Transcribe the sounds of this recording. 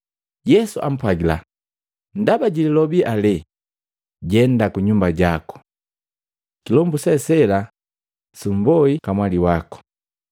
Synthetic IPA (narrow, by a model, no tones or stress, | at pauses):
jɛsuʔa̰m̩pwaɡila̰ | n̩dabaɟililɔbiʔalɛ | ɟɛndakuɲumbaɟakɔ̥ | kilɔmbusɛsɛla | sumbɔikamwaliwakɔ̥